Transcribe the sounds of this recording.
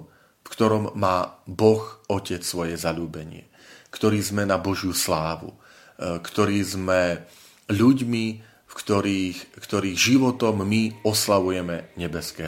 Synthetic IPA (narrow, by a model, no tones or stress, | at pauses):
fkt̪ɔɾɔmːaːbɔxɔcɛt͡ssʋɔjɛzaʎuːbɛɲɪɛ̰ | kt̪ɔɾiːzmɛnabɔʒɪuslaːʋṵ | kt̪ɔɾiːzmɛ | ʎuɟmi | fkt̪ɔɾiːxkt̪ɔɾiːɣʒiʋɔt̪ɔmːiɔslaʋujɛmɛɲɛbɛskɛː